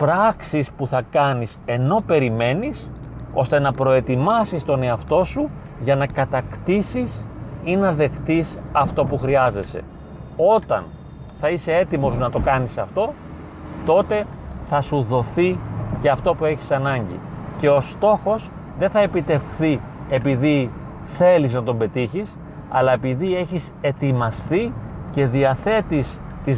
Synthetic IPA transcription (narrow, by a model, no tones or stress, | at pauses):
pɾɐksispuθɐkɐnise̞no̞pe̞ɾime̞niso̞̰st̪e̞nɐpɾo̞e̞t̪imɐsist̪o̞ne̞ɐft̪o̞su | ʝɐnɐkɐt̪ɐkt̪isisinɐðe̞xt̪isɐft̪o̞puxɾiɐze̞se̞̰ | o̞t̪ɐ̰n | θɐise̞e̞t̪imo̞znɐt̪o̞kɐnisɐft̪o̞ | t̪o̞t̪e̞θɐsuðo̞θiceɐft̪o̞pue̞çi̥sɐnɐɲɟḭce̞o̞st̪o̞xo̞s | ðe̞nθɐe̞pit̪e̞fθi | e̞piði | θe̞liznɐt̪o̞mbe̞t̪içis | ɐ̰lɐe̞piðie̞çise̞t̪imɐst̪ice̞ðiɐθe̞t̪is | t̪iz